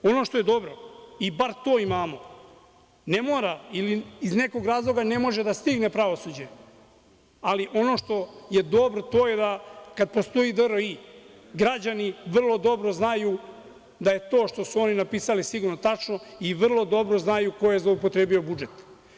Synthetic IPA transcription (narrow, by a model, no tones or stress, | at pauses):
o̞no̞ʃt̪o̞je̞d̪o̞bɾo̞ibaɾt̪o̞ːimaːmo̞ | ne̞moːɾailiːzne̞ko̞ɡɾaːzlˠo̞ɡane̞mo̞ʒe̞d̪ast̪iɡne̞pɾaʋosud͡ʑe̞ | aliʔo̞no̞ʃt̪o̞je̞d̪o̞bɾot̪o̞ːje̞d̪akad̪̚po̞st̪o̞id̪əɾoi | ɡɾad͡ʑaniʋr̩lˠo̞d̪o̞bɾo̞znaju | d̪aje̞t̪o̞ːʃt̪o̞suo̞ninapiːsalisiɡuɾnot̪at͡ʂnoiʋr̩lˠo̞d̪o̞bɾo̞znajukojezloupo̞t̪ɾebio̞bud͡ʒet̪